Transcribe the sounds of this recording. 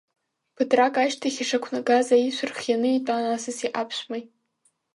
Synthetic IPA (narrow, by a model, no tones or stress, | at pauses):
pʰɨtrakʼaʃtʰaχʲaʂakʷʰnaɡazaiʃʷʰɨrχjanɨitʼanasɨsiʔapʰɕʷmajʼ